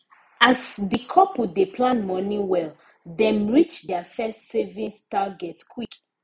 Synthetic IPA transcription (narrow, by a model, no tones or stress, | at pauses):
asdikʰɔpodepʰlãnmɔniwɛl | dɛ̃mɹit͡ʃdɛafɛstsevĩnstaɡɛtskʰwik